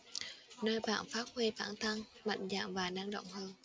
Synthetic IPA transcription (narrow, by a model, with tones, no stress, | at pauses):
nəː˧jɓa̰ː˧˨nfaː˦˥t̚hwi˧faː˧˩nt̪ʰa˧ŋma̰˧˨jŋ̟za̰ː˧˨mvaː˨˩na˧ŋɗo̰˧˨wŋ͡mhəː˧n